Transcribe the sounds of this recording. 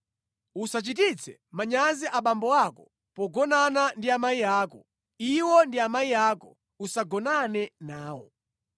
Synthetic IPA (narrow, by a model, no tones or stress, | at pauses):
usat͡ʃit̬it͡sʰɛ̰maɲaziʔaɓambɔwakɔ | pɔɡɔnanandiamaijaːkɔ | iwɔndiamaijaːkɔ | usaɡɔnanɛnaːwɔ̰